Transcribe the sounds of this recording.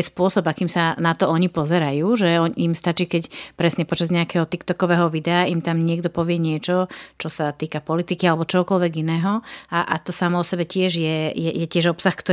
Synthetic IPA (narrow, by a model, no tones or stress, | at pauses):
ɛspʊɔsɔbakiːmsanat̪ɔɔɲipɔzɛɾajuːʒɛɔimst̪at͡ʃiːkɛcpɾɛsɲɛpɔt͡ʃazɲɛakɛːɦɔt̪ikt̪ɔkɔʋɛːɦɔʋid̪ɛaimt̪amɲɪɛɡd̪ɔpɔʋɪɛɲɪɛt͡ʃɔt͡ʃɔsat̪iːkapɔlit̪ikialɛbɔt͡ʃɔɦɔkɔlʋɛɡinɛːɦɔaʔa̰t̪ɔsamɔɔsɛbɛcɪɛʒjɛjɛjɛcɪɛʒɔpsaxkt̪ɔ